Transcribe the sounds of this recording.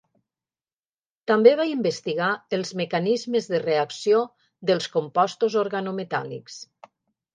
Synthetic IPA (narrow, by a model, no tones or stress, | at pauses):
t̪ambeβaimbəst̪iɣaəlˠzməkanizməzðəreaksio | ðəlˠskompɔst̪uzoɾɣanomet̪a̰lḭks